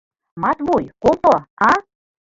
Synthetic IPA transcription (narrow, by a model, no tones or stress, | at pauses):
mɑt̪βujkopoɑ